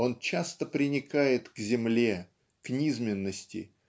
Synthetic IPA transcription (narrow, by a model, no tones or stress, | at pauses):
o̞nt͡ɕast̪əpɾʲɪnʲɪkajɪt̪ɡzʲɪmlʲe̞ | knʲizmʲɪnːəsʲtʲɪ̰